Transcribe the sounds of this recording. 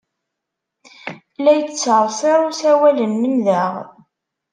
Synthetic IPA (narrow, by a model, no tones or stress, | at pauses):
læjət͡sːəɾˤsˤeɾˤʊsæwælənmənðəʁ